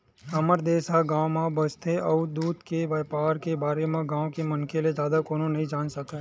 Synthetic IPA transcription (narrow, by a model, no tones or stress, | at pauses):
ɐməɾd̪eːsaɡãːwmãbəst̪ʰeʔɐd̪uːd̪keʋaːpaːɾkebaːɾemẽɡãːokemɐnkeled͡ʒjaːd̪akoːnonɐɦĩd͡ʒaːnsɐka